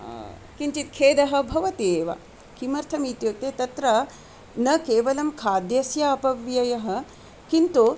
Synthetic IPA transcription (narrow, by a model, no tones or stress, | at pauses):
kint͡ʃit̪̚kʰeːd̪ɐɦɐ̆bʱɐʋɐt̪eːʋɐ̰ | kimɐɾt̪ʰɐmiːt̪joːk̚t̪et̪ɐt̪ɾɐ | nɐkeːʋɐlɐmkʰaːd̪jɐsjaɐpɐʋjɐjɐɦɐ̆ | kint̪u